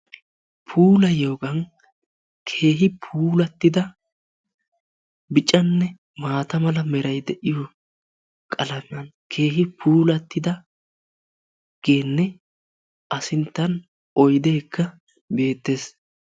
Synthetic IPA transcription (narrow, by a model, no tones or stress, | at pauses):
pʰuːlɐjo̞ːɡɐn | kʰe̞ːɦɪpʰuːlɐt̪ːɪd̪ɐ | bɪt͡ʃʼɐnːɛ | maːt̪ɐmɐlɐmɛɾɐjd̪ɛʔɪjo | kʼɐlɐmɐn | kʰe̞ːɦɪpʰuːlɐt̪ːɪd̪ɐ | ɡ̥e̞ːnːɛ | ʔɐsɪnt̪ːɐn | ɔjd̪e̞ːkːɐ | be̞ːt̪ːe̞s